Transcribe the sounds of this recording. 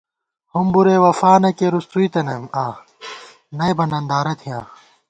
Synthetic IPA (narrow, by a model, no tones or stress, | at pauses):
humbuɾeːwɐfaːnɐkeɾust̪uit̪ɐnɐmaː | nɐjbɐnɐnd̪aːɾɐt̪ʰijãː